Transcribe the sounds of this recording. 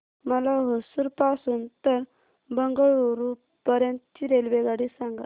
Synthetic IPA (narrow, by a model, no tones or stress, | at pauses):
məlaɦosuɾpasuːnt̪əɾ | bəŋɡəɭuɾu | pəɾjə̃nt̪t͡ɕiɾelʋeɡaɽisãŋɡa